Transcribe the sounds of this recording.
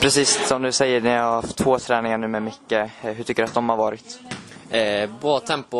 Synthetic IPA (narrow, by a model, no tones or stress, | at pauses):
pʰɾɛsiːssɔmd̪ɵsɛjːəɳɛjahaɾhaft̪ʰːv̥oːt̪ʰɾɛːnɪŋaɳʉ̟ːmɛmʏkːəɦɵʈ̪ʰʏkːəɖɵat̪̚d̪ɔmhaɾvɑːɾɪt̪ː | bɾɑːt̪ʰɛmpʊ